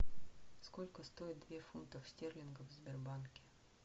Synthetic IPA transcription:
skolʲkəst̪oɪt̪̚d̪vʲefunt̪əfsʲtʲerlʲɪnɡəvzʲbʲɪrbankʲɪ̥

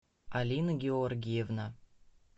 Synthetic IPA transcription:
alʲinəɡʲeorɡʲijevna

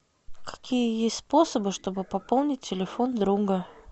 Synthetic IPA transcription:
kɐ̥kʲijəjesʲt̪ʲspo̞səbɨʂt̪o̞bɨpɐpolˠnʲɪt̚ʲtʲːɪlʲɪfo̞nd̪ɾuɡə

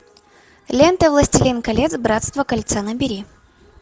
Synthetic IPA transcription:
lʲent̪əvlˠɐsʲtʲɪlʲinkɐlʲet̪sbɾat̪st̪vəkɐlʲt̪sanəbʲɪɾʲi

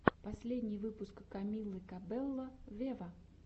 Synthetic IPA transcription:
pɐsʲlʲedʲnʲɪjvɨpʊskːɐmʲilˠɨkɐbɛlˠːəvʲevə

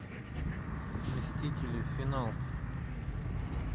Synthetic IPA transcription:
mʲɪsʲtʲitʲɪlʲɪfʲɪnalˠ

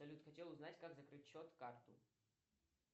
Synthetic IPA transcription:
ɐlʲut̪xɐtʲelˠʊznatʲkaɡzɐkɾɨt̚ʲɕɔt̪kart̪ʊ̰

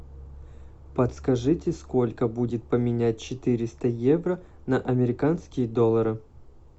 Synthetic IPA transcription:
pət̪skɐʐɨtʲɪsko̞lʲkəbudʲɪt̪̚pəmʲɪnʲæt̚ʲt͡ɕɪt̪ɨɾʲɪst̪əjevrə | nɐʔɐmʲɪɾʲɪkanskʲɪjəd̪olˠːəɾɨ

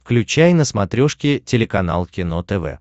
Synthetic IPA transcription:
fklʲʉt͡ɕæjnəsmɐt̪ɾʲoʂkʲɪtʲɪlʲɪkɐna̰lˠkʲɪnot̪ɛvɛ̰

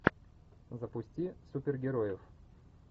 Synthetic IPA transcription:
zəpʊsʲtʲisupʲɪrɡʲɪɾojɪf

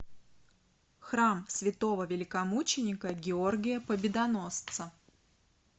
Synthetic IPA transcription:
xramsvʲɪt̪o̞vəvʲɪlʲɪkɐmut͡ɕɪnʲɪkəɡʲɪorɡʲɪjəpəbʲɪd̪ɐno̞st̪sə

